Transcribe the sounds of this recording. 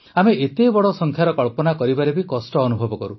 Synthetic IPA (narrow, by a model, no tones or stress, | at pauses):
ameʔet̪ebɔɽɔsɔŋkʰjaɾɔkɔɭpɔnakɔɾibaɾebikɔsʈɔːnubʱɔbɔkɔɾu